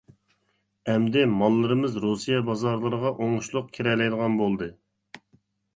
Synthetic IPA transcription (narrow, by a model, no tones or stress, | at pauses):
ɛmd̪ɪmɑlˠːɨɾɨmɨzɾusijɛbɑzɑɾlˠəɾəʁɑʔoŋuʃlˠʊq̚kʲʰeɾɛlɛjd̪əʁɑnbolˠd̪ɨ